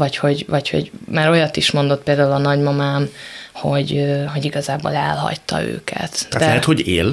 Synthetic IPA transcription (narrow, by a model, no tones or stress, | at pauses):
vɒcho̞ɟvɒcho̞̰ɟmaːɾo̞jɒt̪ːiʃmo̞nd̪o̞t̪̚peːld̪aːulɒnɒɟmɒmaːmho̞ɟɦo̞ɟiɡɒzaːbo̰ːlɛlɦɒ̰ct̪ɒ̰ø̰ːkʰɛ̰t̪at̪d̪ɛɛɦɛt̪hoɟḛːl